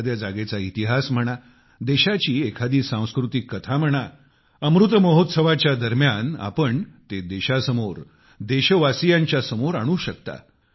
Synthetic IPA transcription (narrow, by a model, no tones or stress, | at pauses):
d̪jad͡zaɡet͡sait̪iɦasm̤əɽ̃a | d̪eɕat͡ɕiːekʰad̪iːsãw̃skɾut̪ikːət̪ʰam̤əɽ̃a | əmɾut̪məɦot̪səʋat͡ɕjad̪əɾmjana̰pəɳt̪ed̪eɕasəmoɾ | d̪eɕəʋasijaɲt͡ɕjasəmoɾaɽ̃uːɕəkt̪a̰